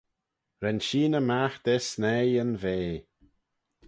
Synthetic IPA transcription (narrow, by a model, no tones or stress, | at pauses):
ɾɛnʃiːnəmaxd̪̥ɛsnɛənveː